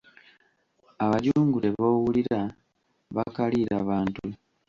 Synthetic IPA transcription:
aβaɟuːŋɡule̞βoːwuliɾa | βakaliɾaβaːntu

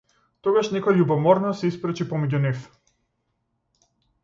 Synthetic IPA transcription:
t̪ɔɡaʃnɛkɔjaʎubɔmɔɾnɔsɛispɾɛt͡ʃipɔmɛɟunif

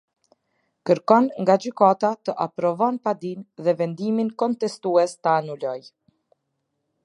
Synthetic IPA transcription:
kəɾkɔnŋɡad͡ʑykat̪at̪əʔapɾɔvɔnpad̪inðɛvɛnd̪iminkɔnt̪ɛst̪uɛst̪əanulɔj

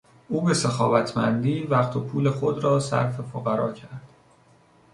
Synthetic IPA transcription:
ʔuːbe̞se̞xɒ̰ːvæt̪ʰmæ̰nd̪iːvæχt̪ʰopʰuːle̞xo̞d̪ɾɒːsæ̰ɾfe̞foɣæɾɒːcʰæɾd̪̥

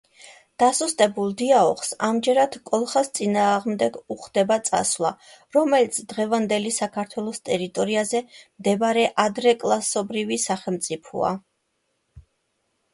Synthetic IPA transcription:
d̪̥asust̪ʼɛbulˠd̪iaɔ̰χsamd͡ʒɛɾad̪̥kʼɔlˠχast̪sʼinaːʁmd̪ɛɡuχd̪ɛbat̪sʼa̰svlˠa̰ | ɾɔmɛlit̪sʰd̪̥ʁɛvand̪ɛlisakʰaɾt̪ʰwɛlˠɔst̪ʼɛɾit̪ʼɔɾiazɛmd̪ɛbɾɛʔad̪ɾɛkʼlˠasɔbɾivisaχɛlˠmt̪sʼipʰɔ̰a̰

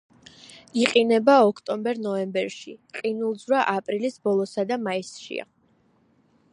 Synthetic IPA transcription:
iqʼinɛbaɔkʰt̪ʼɔmbɛɾnɔɛmbɛɾʃḭqʼinulˠd̪zɾaʔapʼɾilisbɔlˠɔsad̪amaisʃḭa̰

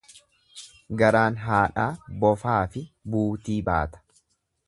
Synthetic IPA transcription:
ɡɐɾaːnɦaːᶑaːbɔfaːfɪbuːt̪iːba̰ːt̪ɐ̥

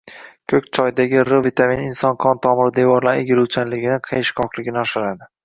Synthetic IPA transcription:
kʲʰɵkʲt͡ʃʰɒjd̪aɡʲɪɾʊvit̪ʰaminɪnsɒnqʰɒnt̪ʰɒmɪɾɪd̪evɒɾlaɾeɡʲɪɾuwt͡ʃʰanlɪɡʲɪnɪqʰejʃkʰɒqlɪɡʲɪnɪɒʃɪɾad̪ɪ

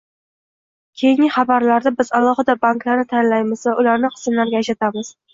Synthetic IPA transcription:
kʲʰejɪŋʲɪχɑbaɾlaɾd̪abɪzalˠɒhɨd̪abaŋklaɾnɪt̪ʰanlajmɪsaʊlaɾnɪqʰɨ̥smlaɾɡʲaeʃat̪ʰamɪz̥

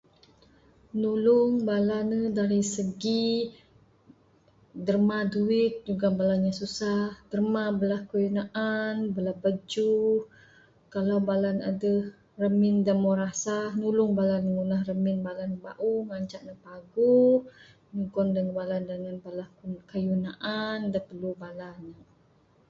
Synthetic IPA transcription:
nulʊŋbalanədaɾisəɡi | dərmaduɪt̪̚d͡ʒuɡabalanɲãsusahd̥ərmabəlahkəinaʔanbəlahbəd͡ʒu | kalawbalana̰də | rəmɪndamoɾasahnulʊŋbalanəŋunahrəmɪnbalanba̰ʔuŋaɲt͡ʃaʔnapaɡu | ɲukɔndaŋbalandəŋanbəlahkəjunaʔandanpərlubalana

